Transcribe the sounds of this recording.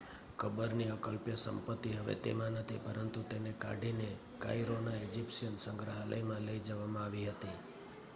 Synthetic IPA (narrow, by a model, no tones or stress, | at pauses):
kʰəbəɾniəkəlpjəsə̰mpət̪ːiɦəʋḛt̪ḛmãnət̪ʰipəɾənt̪ut̪eneka̰ɖʱine | ka̰jɾonaed͡ʒipʃənsəŋɡɾəɦələ̰jmãləid͡ʒəʋamãaʋiɦət̪i